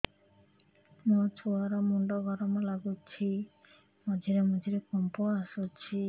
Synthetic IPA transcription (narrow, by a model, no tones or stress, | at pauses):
mot͡ʃʰuaɾɔmuɳɖɔɡʱɔɾɔmɔlaɡut͡ʃʰi | mɔd͡ʒʱiɾemɔd͡ʒʱiɾekɔmpuasut͡ʃʰi